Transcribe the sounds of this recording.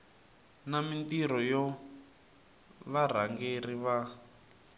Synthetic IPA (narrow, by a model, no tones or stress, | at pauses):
namintiɾ̤ɔjɔ | βar̤aŋɡeriβa